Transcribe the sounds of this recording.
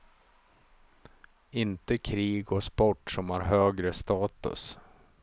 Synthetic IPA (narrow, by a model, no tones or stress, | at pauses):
ɪnt̪əkʰɾiːɡɔspɔʈːsɔmhæɾɦøːɡɾəst̪ɑːt̪ɵ̰s